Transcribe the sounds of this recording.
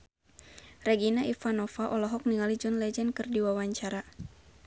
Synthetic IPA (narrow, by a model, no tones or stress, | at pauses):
rɛɡinaʔifanɔfaʔɔlɔɦɔk̚niŋalid͡ʒɔnlɛd͡ʒɛnkɨrdiwawaɲt͡ʃaɾa